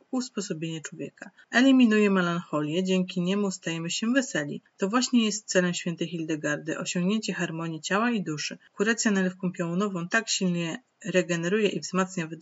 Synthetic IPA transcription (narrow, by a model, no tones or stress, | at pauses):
uspɔsɔbʲjeɲɛt͡ʂwɔvʲjɛka | ɛlʲimʲinujɛmɛlanxɔlʲjɛd͡ʑɛŋkʲiɲɛmust̪ajɛmɘɕɛvɛsɛlʲḭt̪ɔvwaɕɲɛjɛst̪̚sɛlɛmɕfʲjɛnt̪ɛjxild̪ɛɡaɾd̪ɘʔɔɕɔ̃ŋɡɲeɲt͡ɕɛxaɾmɔɲit͡ɕawaid̪uʂɘkuɾat̪sʲjanalɛfkɔ̃w̃pʲjaunɔvɔ̃w̃t̪akɕilɲɛ | ɾɛɡɛnɛɾujɛʔivzmat̪sɲav